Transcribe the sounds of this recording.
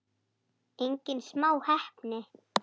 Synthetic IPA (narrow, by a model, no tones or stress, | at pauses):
ejɲcɪnsmaːwhɛhpnɪ